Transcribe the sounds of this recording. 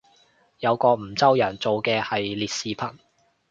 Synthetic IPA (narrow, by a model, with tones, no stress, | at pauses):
jɐ˨˧wkɔː˧m̩˨˩t͡sɐ˥wjɐː˨˩nt͡so˨wkɛː˧hɐ˨jliː˨t̚siː˨˧pʰɐ˨˩n